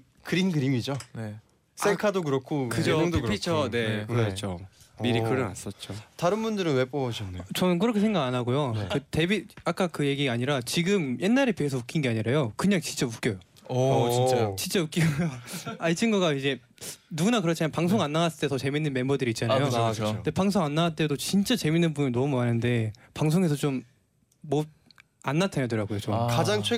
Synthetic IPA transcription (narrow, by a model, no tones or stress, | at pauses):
kɯɾinɡɯɾimid͡ʑone | s͈ekʰadokɯɾʌkʰokɯd͡ʑoŋdopʰit͡ɕʰone̞kɯɾt͡ɕʰomiɾikɯɾɯna̰s͈ʌt̚t͡ɕ͈otaɾɯnbundɯɾɯnwe̞p͈obʌɕʰʌnːajot͡ɕʌnɯnk̬ɯɾʌkʰe̞sʰeŋɡaɡanɦaɡojokɯte̞biak͈akɯje̞ɡiɡaaɲiɾat͡ɕiɡɯmje̞nːaɾepiesʰʌmukʰinɡe̞aɲiɾajokɯɲaŋt͡ɕint͡ɕ͈amuk͈jʌjo | ʌt͡ɕint͡ɕ͈at͡ɕint͡ɕ͈auk͈i | aɭt͡ɕʰinɡʌɡaid͡ʑe̞ | nuɡunak̬ɯɾʌt͡ɕʰimapaŋsʰoŋanːawas͈ɯɭt͈etʌt͡ɕe̞minːɯnme̞mbʌdɯɾiːt̚t͡ɕ͈anajode̞paŋs̬ʰoŋanːawaɭt͈e̞dot͡ɕint͡ɕ͈at͡ɕe̞minːɯnbuinʌmuanɯnde̞paŋs̬ʰoŋɦe̞s̬ʰʌt͡ɕomː | od̚ | anːatʰaɲjodɯɾaɡojot͡ɕomkad͡ʑaŋt͡ɕʰe